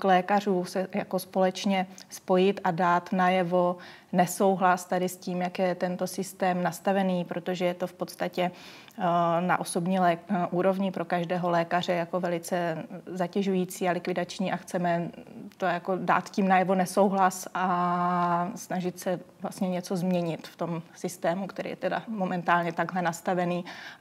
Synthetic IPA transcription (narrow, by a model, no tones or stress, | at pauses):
klɛːkar̝uːsɛja̰ko̞spo̞lɛt͡ʃɲɛspo̞jɪt̪ʔadaːt̪najɛvo̞ | nɛso̞wɦlast̪adɪsciːmjakjɛt̪ɛnt̪o̞sɪst̪ɛːmnast̪avɛniːpɾʔo̞t̪o̞ʒɛjɛt̪o̞fpo̞t̪st̪acɛ | na̰ʔo̞so̞bɲiːlɛʔuːɾo̞vɲɪpɾo̞kaʒdɛːɦo̞lɛːkar̝ɛjako̞vɛlɪt͡sɛzacɛʒujiːt͡siːalɪkvɪdat͡ʃɲiːʔaxt͡sɛmɛt̪o̞jako̞da̰ːt̪ciːmnajɛvo̞nɛso̞wɦlasʔa | snaʒɪt̪sɛvlast̪ɲɛɲɛt͡so̞zmɲɛɲɪt̪ft̪o̞msɪst̪ɛːmukt̪ɛɾḭːjɛ̰t̪ɛda̰mo̞mɛnt̪aːlɲɛt̪aɡɦlɛnast̪avɛniː